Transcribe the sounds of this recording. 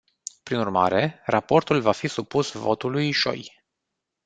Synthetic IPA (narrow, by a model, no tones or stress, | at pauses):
pɾinurma̰ɾʔe̞rapo̞rt̪ulvafisupusvo̞̰t̪ulujʃo̞̰j